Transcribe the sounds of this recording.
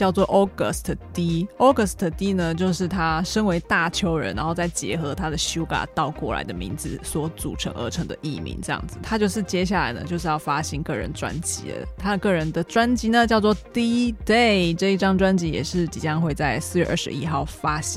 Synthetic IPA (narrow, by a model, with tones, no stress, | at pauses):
t͡ɕjɑ˥˧ʊt͡swɔ˥˩ʔɔ˥ɡə̰˥˩st̪ʰt̪i˥ɔ˥ɡə˧˩st̪ʰə˩t̪i˥nə˨t͡ɕjo˥˧ʊʂɻ̩˥˩t̪ʰa˥ʂə˥ŋwe˧˥ɪt̪a˥˩t͡ɕʰjo˥ʊɻə̰˧˥nɻa̰˧˥nxo˥˧ʊt͡sa˥˩ɪt͡ɕjɛ̰˧˥xɤ˧˥˦t̪ʰa˥d̪ə˨ɕu˥ka̰˨˩t̪ɑ˥˧ʊkwɔ˥˩la̰˧˥ɪd̪ə˧mḭ˧˥nd͡z̩˧˩swɔ˧˥t͡sṵ˨˩ʈ͡ʂʰə̰˧˥ŋʔə̰˧˥ʈ͡ʂʰɤ˧˥ŋd̪ə̰˧ʔḭ˥˩mḭ˧˥nʈ͡ʂɤ˥˧jɑ̰˥˩ŋd͡z̩˨˩t̪ʰa˥t͡ɕjʊʂɻ̩˥˩t͡ɕjɛ˥ɕ̬ja˥˩la̰˧˥ɪnə̰˧t͡ɕjo˥˧ʊʂɻ̩˥˧jɑ˥˩ʊfa˥ɕi˥nkɤ˥˩ɻə̰˧˦nʈ͡ʂwa̰˦nt͡ɕḭ˧˥ə̰˨t̪ʰa˥˨kɤ˥˩ɻə˧˦nd̪ə˨ʈ͡ʂwa˥nt͡ɕi˧˥nə˨t͡ɕjɑ˥˧ʊt͡swɔ˥˧t̪i˥t̪e˥˩ɪʈ͡ʂɤ˥˧i˥ʈ͡ʂɑ˥˩ŋʈ͡ʂwa˥nt͡ɕi˧˥jɛ̰˨˩ʂɻ̩˥˩t͡ɕḭ˨˩t͡ɕjɑ˥˧ŋxwe˥˧ɪt͡sa˥˩ɪsɹ̩˥˧jɥɛ˥˧ʔə̰˞˥˩ʂɻ̩̰˧˦i˦˥xɑ˥˩ʊfa˥ɕi˥